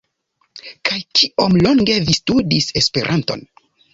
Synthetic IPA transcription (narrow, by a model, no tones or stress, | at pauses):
kajkʰiomlo̞ŋɡe̞vistudise̞spe̞̰ɾʔanto̞̰n